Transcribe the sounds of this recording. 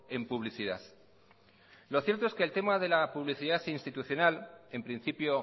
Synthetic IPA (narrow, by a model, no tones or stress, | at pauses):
e̞mpuβliθiðaθ | loθje̞ɾt̪oeskeːlt̪e̞mað̞e̞lapuβliθiðaθinst̪it̪uθjo̞nale̞mpɾin̟θipjo